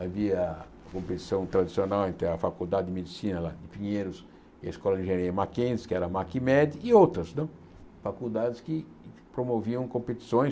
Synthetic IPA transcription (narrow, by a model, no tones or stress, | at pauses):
aviɐ | kõmpet̪i̥sɐ̃w̃t̪ɾad̪isionawẽnt̪ẽɐfakud̪ad̪ɪd̪ɪmed̪isĩnɐlad̪ɪpĩɲeɾʊs | ɪɐ̰iskɔlɐdɪ̃ʒeɾeɐmakẽzɪskɪɛɾɐmakɪmɛd̪ɪːowt̪ɾɐsnɐ̃ | fakud̪ad̪ɪskɪ | pɾomoviɐ̃w̃kõpet̪i̥sõj̃